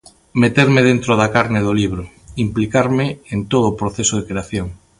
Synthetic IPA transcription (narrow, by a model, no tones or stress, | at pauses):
met̪eɾmeðent̪ɾoð̞akaɾneðoliβ̞ɾo | implikaɾmeent̪oð̞oːpɾoθesoðekɾeaθjoŋ